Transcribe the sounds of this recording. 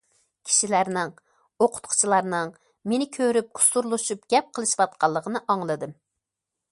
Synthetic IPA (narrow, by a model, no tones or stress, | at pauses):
kʲʰi̥ʃilæɾnɪŋ | oqʰʊ̥t̪qʰʊ̥t͡ʃʰilˠɑɾnɨŋ | menɪkʲʰøɾyp̚ɡʊ̥suɾlˠuʃup̚ɡ̥ʲɛp̚qʰəlˠɨʃwɑt̪̚qʰɑlˠːəqʰənɨʔɑŋlˠɨd̪ɨm